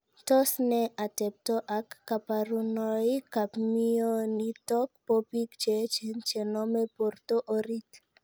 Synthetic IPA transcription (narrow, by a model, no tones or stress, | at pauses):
tɔsneʔatɛp̚tɔʔakːapaɾunɔikapmionitɔkpopikt͡ʃet͡ʃent͡ʃenɔmeport̪oʔoɾit